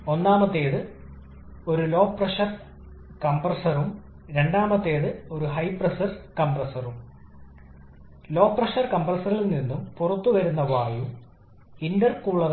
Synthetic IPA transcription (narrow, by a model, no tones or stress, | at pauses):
o̞nːaːmɐt̪ːe̞ːðɨ | o̞ɾulo̞ːprɐʂɐr | kɐmbrɐsɐrum | ɾe̞ɳɖaːmɐt̪ːe̞ːðɨo̞ɾuɦɐjprɐsɐrkɐmbrɐsɐrum | lo̞ːpːrɐʂɐrkɐmbrɐsɐrilninːumpurɐt̪ːuʋɐɾunːɐʋaːju | indɐrkuɭːɐð